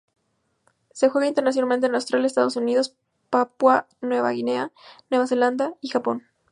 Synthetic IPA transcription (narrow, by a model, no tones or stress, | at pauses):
se̞xwe̞ɣaint̪eɾnas̬jonalment̪enlawst̪ɾaljaest̪a̰ðo̞suniðo̞s | papwa | nwe̞βa̰ɣine̞anwe̞βase̞land̪aixapo̞n